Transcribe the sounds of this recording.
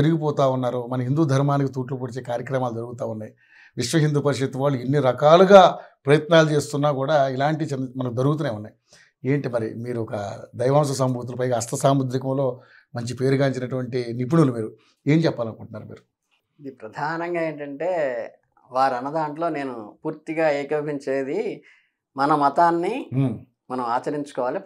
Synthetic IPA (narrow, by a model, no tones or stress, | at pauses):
t̪eɾuɡipɔːt̪aːunːaːɾumɐnɐɦind̪uːd̪ʱɐɾmaːnik̬it̪uːʈlup̬uːɽit͡ʃe̞ːkaːɾjɐkɾɐmaːlud͡ʒ̪ɐɾuɡut̪aːunːaːj | ʋiʂʋɐɦind̪uːpɐɾiʂɐt̪ːiʋaːɭːuenːiɾɐkaːluɡaːpɾɐjɐt̪naːlut͡ʃe̞ːst̪unːaːkuːɽaːilaːɳʈit͡ʃɛnmɐnɐkid̪ɐɾuɡut̪uːneːʋunːaːji | e̞ːɳʈimɐɾḭmiːɾuɔkɐ̰d̪ɐjʋaːms̬ɐs̬ɐmbʱuːt̪̬ulupɐjɡaːɐst̪ɐsaːmud̪ɾikɐmlo̞ː | mɐɲt͡ʃipe̞ːɾuɡaːiɲt͡ʃinɐʈuʋɐɳʈinip̬uɳulumiːɾu | eːnt͡ʃɛpːaːlɐnkuɳʈunːa̰ːɾumḭːɾu | id̪ipɾɐd̪ʱaːnɐŋɡaːe̞ːɳʈɐɳʈeː | ʋaːɾɐnːɐd̪aːɳʈlo̞ːne̞ːnupuːɾt̪iɡaːeːkɐbiɲt͡ʃeːd̪i | mɐnɐmɐt̪aːnːi | mɐnɐmaːt͡ʃɐɾiɲt͡ʃu̥kɔːʋaːli